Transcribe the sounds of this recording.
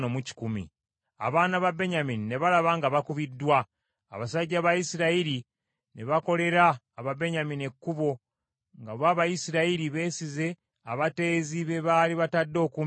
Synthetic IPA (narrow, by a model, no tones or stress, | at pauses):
nomuci̥kumḭ | a̰βaːnaβabe̞ɲaminine̞βalaβaŋɡaβakuβidːwa̰ː | βasaɟːaβajisiɾaiɾi | ne̞βako̞le̞ɾaː | βabe̞ɲaminekːuβo̞ | ŋɡaβaːβajisiɾaiɾiβe̞ːsize̞ | aβate̞ːziβe̞βaːliβatadːo̞ːkum